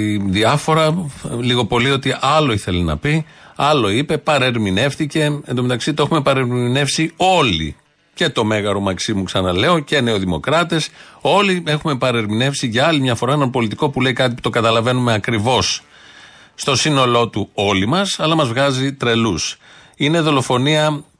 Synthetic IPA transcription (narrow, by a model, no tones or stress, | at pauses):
iðiɐfo̞ɾɐliɣo̞po̞lio̞t̪iʔɐlo̞iθe̞linɐ̰piɐlo̞ipe̞pɐɾe̞ɾmine̞fθice̞end̪o̞me̞t̪ɐksit̪oexume̞pɐɾeɾine̞fsio̞lḭ | ce̞t̪o̞me̞ɣɐɾo̞mɐksimuksɐnɐle̞o̞ce̞neoðimo̞kɾɐt̪eso̞lie̞xume̞pɐɾeɾmine̞fsiʝɐɐlimɲɐfoɾɐenɐnpo̞lit̪iko̞pule̞ikɐt̪̬ipu̥t̪o̞ɡɐt̪ɐlɐve̞nume̞ɐkɾivo̞s | st̪o̞sino̞lo̞t̪uo̞limɐsɐlɐmɐzvɣɐzit̪ɾe̞lus | ine̞ðo̞lo̞fo̞niɐ